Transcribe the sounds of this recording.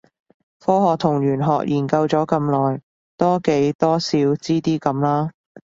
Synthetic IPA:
fɔː˥ɦɔː˨k̚t̪ʰʊ˨˩ŋɥyː˨˩nɦɔː˨k̚jʔiː˨˩nkɐ˧wt͡sɔː˨˥kɐ˧mlɔː˨˩j | t̪ɔː˥ke˨˥jt̪ɔː˥siː˨˧˥wt͡siː˥t̪iː˥kɐ˨˧mlaː˥

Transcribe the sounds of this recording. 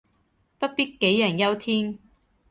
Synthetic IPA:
pɐ˥t̚piː˥t̚ke˨˥jːɐ˨˩njɐ˥wt̪ʰiː˥ŋ

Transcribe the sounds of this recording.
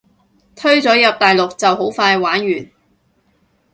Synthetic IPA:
t̪ʰɵ˥ɥt͡sɔː˨˥jɐ˨p̚t̪aː˨jlʊ˨k̚t͡sɐ˨wɦo˨˥wfaː˧jwaː˨˥nɥyː˨˩n

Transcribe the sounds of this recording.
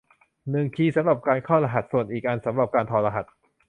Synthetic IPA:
nɯ˨˩ŋkʰiː˧sa˨˦mɾa˨˩p̚kaː˧nkʰɔː˥˩ɾa˧ɦa˨˩t̪̚su˨˩ənʔiː˨˩k̚ʔa˧nsa˩˦mɾa˨˩p̚kaː˧nt̪ʰɔː˧la˧ɦa˨˩t̪̚

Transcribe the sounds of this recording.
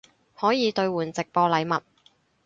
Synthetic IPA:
hɔː˨˥jiː˨˧t̪ɵ˧ɥwuː˨˩nt͡sɪ˨k̚pɔː˧lɐ˨˧jmɐ˨t̚

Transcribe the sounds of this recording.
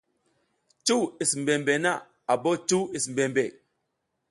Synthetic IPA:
t͡ʃu˦wi˨smbe˨mbe˨na˦˨ | a˨bo˦t͡ʃu˦i˨sm˨be˨mbe˨

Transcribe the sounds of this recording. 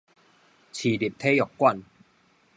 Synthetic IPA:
t͡ɕʰiː˨˩di˨˩p̚t̪ʰe˦jɔ˨˩kkːwa˥˨n

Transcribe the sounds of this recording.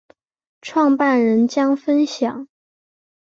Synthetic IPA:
ʈ͡ʂʰwɑ˥˧ŋpa˥˩nɻə˧˥nt͡ɕjɑ˥ŋfə˥nɕjɑ˨˩˦ŋ

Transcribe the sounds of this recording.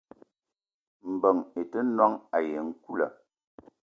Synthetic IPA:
m̩˨bə˨ŋe˨tə˦nwa˦ŋa˨je˨ŋ̩˦ku˦lə̰˨

